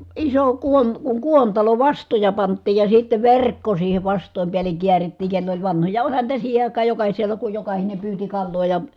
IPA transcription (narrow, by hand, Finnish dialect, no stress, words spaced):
iso kuon kuŋ kuontɑlo ʋɑstojɑ pɑntˑiːj jɑ sitːeʋ ʋerˑkːo siːhe ʋɑstˑoˑim piæleŋ kiæritːiːŋ kelː olʲ ʋɑnhojɑ olʲhɑn niːtæ siːhe ɑˑikɑː jokɑhiselɑ ku jokɑhine pyːti kɑlːoː jɑ